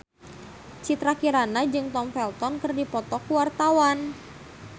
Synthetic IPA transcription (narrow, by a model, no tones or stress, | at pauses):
t͡ʃit̪ɾakiɾanad͡ʒɨŋt̪ɔmfɛlt̪ɔnkɨrdipɔt̪ɔkuwart̪awan